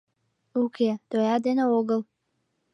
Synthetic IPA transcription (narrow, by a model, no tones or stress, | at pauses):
ukʰed̪̥ojɑd̪enəoɡəl